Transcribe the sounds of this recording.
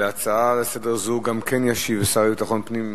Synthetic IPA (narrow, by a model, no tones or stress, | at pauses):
eat͡saalesedeʁzuɡamkʰenjaʃivesaʁbit̪aχo̞npnim